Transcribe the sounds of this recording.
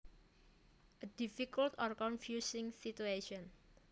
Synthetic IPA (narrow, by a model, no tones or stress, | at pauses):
ʔədifikult̪ɔrkɔnfjusɪ̃ŋsit̪ueʃɔ̃n